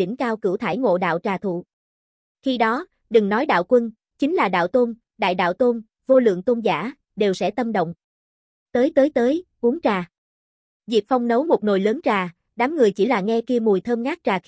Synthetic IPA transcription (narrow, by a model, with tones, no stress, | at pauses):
ï˧˩ŋ̟kaː˧wkɨ˧˩wt̪ʰaː˧˩jŋo̰˧˨ɗa̰ː˧˨wt͡ɕaː˨˩t̪ʰṵ˧˨ | xi˧ɗɔ˨˦ | ɗɨ˨˩ŋnɔ˨˦jɗa̰ː˧˨wkwə˧n | t͡ɕï˨˦ŋ̟laː˨˩ɗa̰ː˧˨wt̪o˧n | ɗa̰ː˧˨jɗa̰ː˧˨wt̪o˧n | vo˧lɨ̰˧˨əŋt̪o˧nzaː˧˩ | ɗe˨˩wsɛ̰˧˥t̪ə˧mɗə̰˧˨wŋ͡m | t̪əː˨˦jt̪əː˨˦jt̪əː˨˦jʔu˨˦əŋt͡ɕaː˨˩ | vi˨˩ək̚fa˧wŋ͡mnə˨˦wmo˨˩t̚no˨˩jləː˨˦nt͡ɕaː˨˩ | ɗaː˨˦mŋɨ˨˩əjt͡ɕi˧˩laː˨˩ŋɛ˧ki˧əmu˨˩əjt̪ʰəː˧mŋaː˦˥k̚t͡ɕaː˨˩